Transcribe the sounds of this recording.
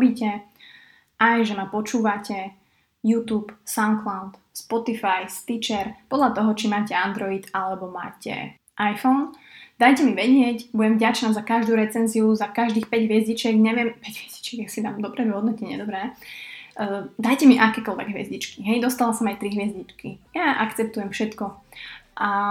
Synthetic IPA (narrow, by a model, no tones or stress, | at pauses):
biːcɛ | ʔajʒɛmapɔt͡ʃuːʋacɛ | juːt̪uːpsaʊnklaʊt̪ | spɔt̪ifajst̪it͡ʃɛɾpɔd̪ʎat̪ɔɦɔt͡ʃimaːcɛand̪ɾɔit̪alɛbɔma̰ːcɛ̰ | ʔajfɔn | d̪̥ajcɛmiʋɛɟɪɛcbuɟɛɱvɟat͡ʃnazakaʒd̪uːɾɛt͡sɛnziuzakaʒd̪iːxpɛɟɦʋɪɛzɟit͡ʃɛɡɲɛʋɪɛmpɛɟɦʋɛz̥ɟ̥i̥t͡ʃɛɡjasid̪aːmd̪ɔbɾɛd̪uɦɔd̪nɔcɛɲɛ̰d̪ɔbɾɛː | d̪ajcɛmiʔakɛːkɔlʋɛ̰ɡɦʋɪɛ̰zɟit͡ʃkiɦɛjd̪ɔst̪alasɔmajt̪ɾiɦʋɪɛzɟit͡ʃkijaʔa̰kt͡sɛp̚t̪ujɛmfʃɛt̪kɔʔa